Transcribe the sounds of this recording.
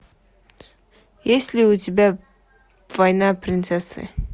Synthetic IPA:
jesʲlʲɪʊtʲɪbʲa | vajnapɾʲɪnt̪sɛsɨ̰

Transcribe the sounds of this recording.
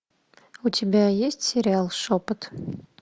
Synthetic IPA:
utʲɪbʲæjesʲtʲsʲeɾʲialˠʂopɨt̪

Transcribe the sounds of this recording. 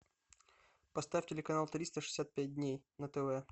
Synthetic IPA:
pɐst̪afʲtʲɪlʲɪkɐnalˠt̪ɾʲist̪əʂɨ̥sʲːat̪̚pʲæt̚ʲd̪ʲnʲejnət̪ɛvɛ

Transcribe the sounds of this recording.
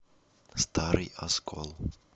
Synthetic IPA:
st̪aɾɨjaskʰɔ̰lˠ

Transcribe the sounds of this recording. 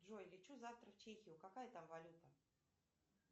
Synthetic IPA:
ʐojlʲɪt͡ɕuzaft̪ɾəft͡ɕexʲɪjʊkɐkajət̪amvɐlʲut̪ə

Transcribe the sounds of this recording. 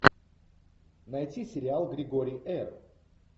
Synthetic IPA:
nɐjtʲisʲɪɾʲɪalˠɡɾʲɪɡoɾʲɪjɛr

